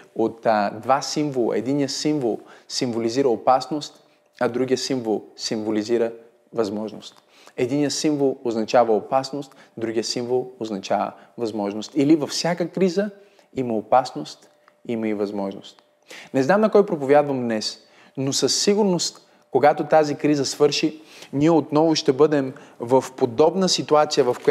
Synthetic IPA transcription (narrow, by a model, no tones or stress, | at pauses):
ot̪d̪vasimvolˠə̰ɛ̰d̪inijəsiɱvolˠsiɱvoliziɾəopasnost̪ | ɐd̪ɾuɡijəsiɱvolˠsiɱvoliziɾə | vɐzmɔʒno̰st̪ | ɛd̪inijəsiɱvolˠoznɐt͡ʃavəopasnost̪d̪ɾuɡijəsiɱvolˠoznɐt͡ʃavə̰vɐzmɔʒnost̪ilivɐfsʲakəkɾizə | imɐopasnost̪ | iimɐivɐzmɔʒno̰st̪ | nɛznamnɐkɔjpɾopovʲjad̪vɐmd̪nɛs | nosəsːiɡʊɾnost̪ | koɡat̪ot̪azikɾizəsvɤɾʃi | niɛot̪nɔvʊʃt̪ɛbɤd̪ɛmvɐfpod̪ɔbnəsit̪uat̪sijəvɐfko